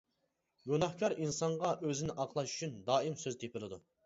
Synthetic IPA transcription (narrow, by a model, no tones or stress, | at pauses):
ɡʲunɑχkʲʰɑɾinsɑɴʁɑʔøzɪnɪʔɑqlˠɑʃy̥t͡ʃʰynd̪ɑːimsøzt̪ʰepʰɪlˠɨd̪u